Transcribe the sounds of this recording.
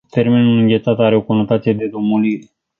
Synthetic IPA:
t̪eɾmenulɨŋɡʲet̪sat̪aɾeokunət̪at̪ed̪ed̪omuliɾ

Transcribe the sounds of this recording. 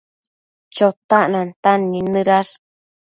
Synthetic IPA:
t͡ʃot̪aʔnant̪anːinɨɾaɾ

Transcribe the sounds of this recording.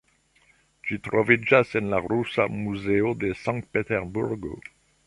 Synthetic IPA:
t͡ʃit̪ɾɔvid͡ʒasɛnlaʁɾusa̰muzeod̪əsɑ̃ŋkt̪̚pet̪ɛʁbuʁɡo̰

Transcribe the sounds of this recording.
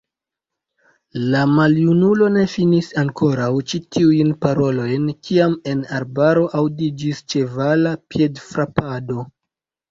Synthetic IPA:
lamaljunulo̞ne̞finisaŋkʰo̞ɾawt͡ʃitʰiujnpaɾo̞lo̞jnkʰiame̞naɾbaɾo̞ʔawdid͡ʒist͡ʃe̞valapje̞dfɾapado̞

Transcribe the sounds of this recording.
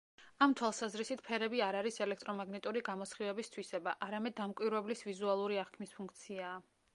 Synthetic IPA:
amt̪ʰwalˠsazɾisit̪̚ʰpʰɛɾɛbiaɾaɾisɛlɛkʰt̪ʼɾɔmaɡnɛt̪ʼuɾiɡamɔsχivɛbist̪ʰwisɛbaʔaɾamɛd̪ːamkʼwiɾvɛblisvizualˠuɾiaχkʰmispʰuŋk̚ʰt̪sʰiaː

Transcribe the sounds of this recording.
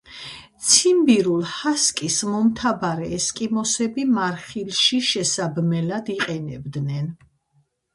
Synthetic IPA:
t̪sʰimbiɾulˠhaskʼismɔmt̪ʰabaɾɛːskʼimɔsɛbimaɾχilʃiʃɛsabmɛlad̪iqʼɛnɛ̰bd̪nɛn

